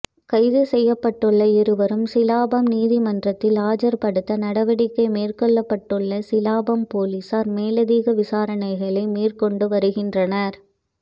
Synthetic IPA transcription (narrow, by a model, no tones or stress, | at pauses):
kɐɪðɯsɛjːɐpːɐʈːɯɭːɐɪɾɯʋɐɾɯmsɪlaːbɐmniːðimɐndrɐt̪ːɪlaːd͡ʒɐɾpɐɽɯt̪ːɐnɐɽɐʋɐɽɪkːɐɪmeːrkɔɭːɐpːɐʈːɯɭːɐsɪlaːbɐmpoːlisaːɾmeːlɐðiːɣɐʋɪsaːɾɐɳɐɪɣɐɭɐɪmiːrkɔɳɖɯʋɐɾɯɣɪndrɐnɐɾ